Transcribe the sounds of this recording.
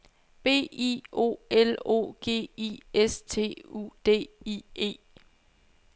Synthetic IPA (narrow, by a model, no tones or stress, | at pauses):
b̥e̝̰ːio̝̰elo̝̰ːɡ̥e̝̰ːḭest͡sʰe̝̰ːṵd̥e̝̰ːie̝̰ː